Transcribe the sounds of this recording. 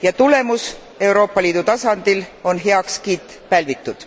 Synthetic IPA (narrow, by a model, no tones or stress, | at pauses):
jɑt̪ule̞mus | e̞wɾo̞ːpːˑɑliːd̪̥ut̪ɑsɑnd̪̥ilo̞nɦe̞ɑkskiːt̪ːˑ | pælvit̪ːˑud̪̥